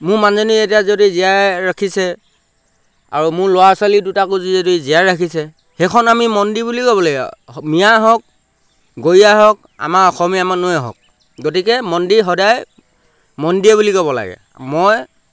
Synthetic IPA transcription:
mʊɹmanzonietijazodizijaɹakʰisɛ | a̰ɹumʊɹlʊwaswalidutakozizodiziaɹakʰisɛ | hɛkʰɔnamimɔndibulikɔbɔlaɡ̰mijaɦɔk̚ | ɡojiaɦɔk̚ | a̰maɔxɔmiamanojɦɔ̰k̚ | ɡotikɛmɔndiɦɔdaj | mɔndiɛbulikɔbɔla̰ɡɛ̰ | moj

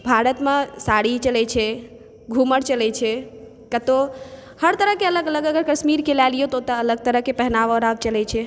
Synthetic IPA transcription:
bʱaɾət̪mesaɽit͡ʃəlɛt͡ʃʰɛ | ɡʱuməɽt͡ʃəlɛt͡ʃʰɛ | kət̪o | həɾt̪əɾəɦkeələɡələɡəɡəɾkəʃmiɾkelalijot̪ot̪əːləɡ̚t̪əɾəɦkepɛɦnaʋoɾab̚t͡ʃəlɛt͡ʃʰɛ

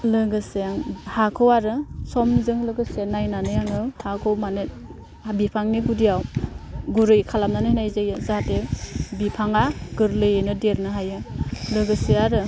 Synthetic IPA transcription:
lɯɡɯsejaŋhakʰɯwaɾɯsɔmzɯŋlɯɡɯsenajnanɯjaŋɯhakʰowmanet̚ | bipʰaŋniɡudijawɡuɾɯjkʰalamnanɯnajzejɯzatebipʰaŋaɡɯɾlɯjenɯdeɾnɯɦajɯlɯɡɯsiaɾɯ

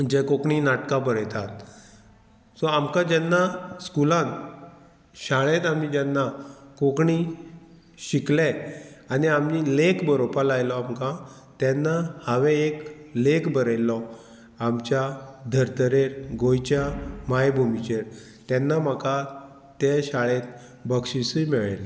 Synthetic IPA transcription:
d͡ʑekokɳinaʈkabəɾjt̪at̪ | sɔamkãd͡ʑɛnːaskulãn | ɕaɭ̃ẽt̪amid͡ʑɛnːakokɳi | ɕiklɛaniamnilekbəɾopalajlɔamkã | t̪ɛnːahaʋeeklekbəɾəjlɔ | amt͡ɕjad̪ʱəɾt̪əɾeɾɡojt͡ɕjamajbʱumit͡ɕeɾ | t̪ɛnːam̤aka | t̪ɛɕaɭẽt̪̚ | bəkɕisimɛɭajla

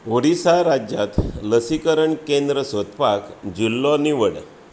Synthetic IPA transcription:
oɽisaɾad͡ʑjat̪ləsikəɾəɳkẽnd̪ɾəsot̪pakd͡ʑilːɔniʋəɽ

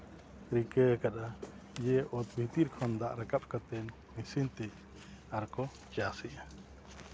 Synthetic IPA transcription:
ɾikəkaɗa | d͡ʒɛʔɔt̪̚bʱit̪iɾkʰɔnd̪aʔɾakap̚kat̪ɛnːisint̪ɛ | aɾkɔ | t͡ʃasɛʔa

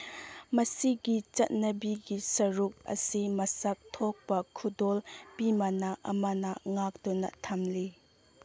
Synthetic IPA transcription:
mɐsiɡit͡ʃɐt̪̚nɐbiɡisɐɾuk̚ʔɐ̰simɐsɐk̚t̪ʰɔk̚pɐkʰudɔlpimanaʔɐ̰manaŋak̚t̪unɐ̰t̪ʰɐmli

